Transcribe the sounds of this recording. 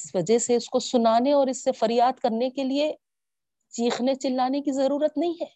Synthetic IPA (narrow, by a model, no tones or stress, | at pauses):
ɪsʋɐd͡ʒəɦseʊskosʊnaːneɔːɾɪsːefɐɾjaːd̪kɐɾnekelie | t͡ʃiːxnet͡ʃɪlːaːnekizɐɾuːɾət̪nɐɦĩɦɛː